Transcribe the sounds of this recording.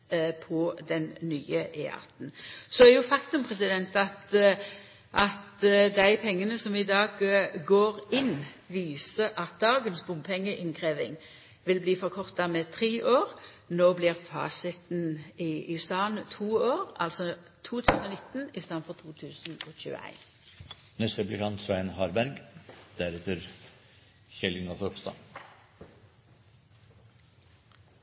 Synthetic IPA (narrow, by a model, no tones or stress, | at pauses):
pʰɔd̪ɛnnyːəʔɛːɑ̰ʁt̪n̩sɔæɾjʊfɑkt̪ʉmpʰʁɛsɪd̪ɛnt̪ɑt̪ | ʔɑt̪d̪æɪpʰɛŋːənəsɔmɪd̪ɑːɡɡoːʁɪn | ʋiːsəʔɑt̪̚d̪ɑːɡənsbʊmpʰɛŋːəʔɪnkʰʁeːʋɪ̰ŋ | ʋɪlbliːfɔʁkʰɔʁt̪ɑmɛt̪ʰʁeːʔoːʁ | noːbliːʁfɑ̰ːsɪt̪n̩ɪʔɪst̪ɑːnt̪ʰuːoːʁɑlsɔ | t̪ʰuːt̪ʰʉːsn̩ɔːnɪt̪n̩ɪst̪ɑːnfɔʁt̪ʰuːt̪ʰʉːsn̩oːçʉ̰ːə̰æ̰ɪn | nɛst̪ɾɛplɪkʰɑnt̪sʋæɪnhɑːɾbæɾɡd̪̥æɾɛt̪əɾ | çɛlɪŋɑfɔɾɔpst̪ɑ̰n